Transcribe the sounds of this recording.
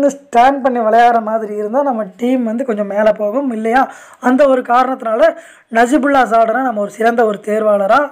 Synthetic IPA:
d̪ɯsʈaːɳɖpɐɳːiʋɐlɐjaːɾɐmaːðɪɾiɪɾɯnd̪aːnɐmːɐʈiːmʋɐnd̪ɯkɔɲd͡ʒɔ̃mːeːlɐpoːɣɯmɪlːɐjaː | ɐnd̪ɐɔɾɯkaːɾɐɳɐt̪ːɪnaːlɐ | nɐd͡ʒibʊɭːaːs̬aːɽɐɾãːnɐmːɐɔɾɯsɪɾɐnd̪ɐɔɾɯt̪eːɾʋaːɽɐɾãː

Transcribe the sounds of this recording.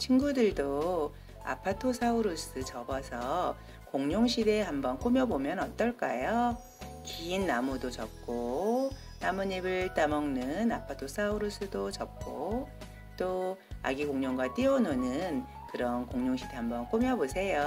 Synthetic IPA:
t͡ɕʰinɡudɯɭdo | a̰pʰatʰosʰauɾus͈ɯt͡ɕʌbʌsʰʌ | koŋɲoŋɕʰide̞hambʌnk͈umjʌbomjʌnʌt͈ʌɭk͈a̰jo | kiːnːamudot͡ɕʌp̚k͈o | namuɲibɯɭt͈amʌŋnɯnapʰatʰosʰauɾus͈ɯdot͡ɕʌp̚k͈o | t͈oa̰ɡikoŋɲoŋɡwat͈iʌnonɯn | kɯɾʌnkoŋɲoŋɕʰide̞hambʌnk͈umjʌbosʰe̞jo

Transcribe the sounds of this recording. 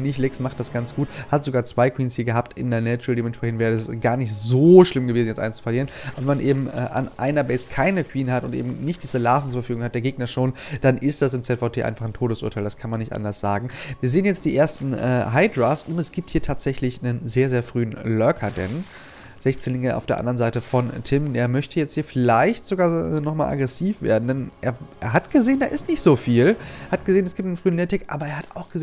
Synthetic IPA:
nɪçlɛksmaχtd̥asɡ̥ant͡sɡ̥uːthatz̥oɡaːɐt͡sv̥aɪkʰw̥iːnshiːɐɡəɦaːptɪ̰ndeɐnɛt͡ʃldeːmɛntʃpʁɛçn̩tvɛːʁəɛsɡ̥aːɐnɪçtzoːʃlɪmɡəveːzn̩jɛsʔa̰ɪnst͡su̥fɐliːʁənʔaːbɐvɛmanʔeːbm̩ʔɛ̰ːʔa̰nʔa̰ɪnɐbɛɪskʰaɪnəkʰw̥iːnhatʊntʔḛːbm̩nɪçt̚d̥iːzəlaːfn̩t͡suɐfɐfyːɡʊŋhat̚d̥eɐɡeːɡnɐʃoːnd̥anʔɪstd̥asɪmt͡sɛtfaʊtʰeːʔa̰ɪnfaχntʰoːdəsʔṵɐtʰaɪldaskʰanmanːɪçtʔa̰ndɐsz̥aːɡŋ̩viːɐzeːənjɛt͡std̥iːʔeːɐstn̩ʔɛ̰ːɦaɪdʁasʔʊnɛsɡ̥iːp̚thiːɐtʰaːtz̥ɛçlɪçnənzeːɐzeːɐfʁ̥yːənlœɐkʰɐdɛ̰n | z̥ɛçt͡seːnlɪŋəʔa̰ʊfeːɐʔa̰ndəʁənzaɪtəfɔntʰɪmeːɐmœçtʰəjɛt͡sthiːɐfɪlaɪçtz̥oɡaːɛːnɔχmaːlʔa̰ɡʁɛsiːfv̥ḛːɐdn̩dɛnʔeːɐʔeːɐɦatɡ̥əzeːənda̰ːʔɪstnɪçtz̥oːfiːlhat̚ɡ̥əzeːənɛsɡ̥iːp̚tnənfʁ̥yːənlɛtʰɪkʔa̰ːbɐeːɐhata̰ʊxɡ̥əzː

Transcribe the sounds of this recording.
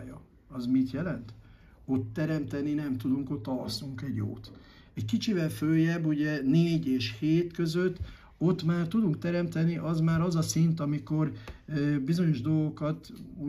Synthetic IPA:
jɒ | ɒzmit̪jɛlɛnt̪ | o̞t̪ːɛɾɛmt̪ɛninɛmt̪ud̪uŋko̞t̪ːɒlɒ̰suŋkɛɟːo̰ːt̪ | ɛckit͡ʃivɛlføːjɛbːuɟɛneːɟeːʃheːt̪kø̞zøt̪ː | o̞t̪ːmaːrt̪ud̪uŋk̚t̪ɛɾɛmt̪ɛniʔɒzmaːɾɒzɒsint̪ɒmiko̞r | bizoɲo̞ʒd̪o̞lɡo̞kɒt̪u

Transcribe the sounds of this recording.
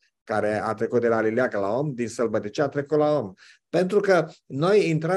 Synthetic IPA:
kaɾe̞a̰t̪ɾe̞kut̪d̪elalileakəlao̞md̪insəlbət̪ət͡ʃiat̪ɾe̞kut̪lao̞m | pe̞nt̪ɾukəno̞jint̪ɾə

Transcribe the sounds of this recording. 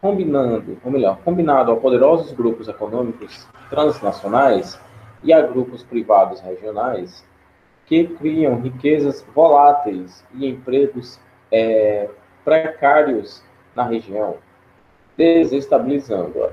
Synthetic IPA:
kõmbinɐ̃d̪ʊ̰omelɔɾkõmbinad̪ʊapod̪eɾɔzʊzɡɾupʊzɛkonõmikʊs | t̪ɾɐ̃znasionajs | iaɡɾupʊspɾivad̪ʊsheʒionajs | kɪkɾiɐ̃w̃ɦikezɐzvolat̪ejs | ɪẽpɾeɡʊs | ɛ | pɾɛkaɾiʊs | nɐɦeʒiɐ̃w̃ | d̪ezest̪abilizɐ̰̃nd̪ʊ̰ɐ̰

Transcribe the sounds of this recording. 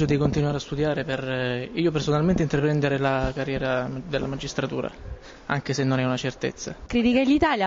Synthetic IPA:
od̪ikont̪inuaːɾeast̪ud̪jaːɾeperiːopersonalment̪eint̪ɾapɾɛnd̪eɾelakarːjɛːɾad̪elːa̰mad͡ʒːist̪ɾat̪uːɾa̰ | aŋkesenːonɛunat͡ʃert̪ḛt̪sːa̰kɾit̪ikelit̪aːlja

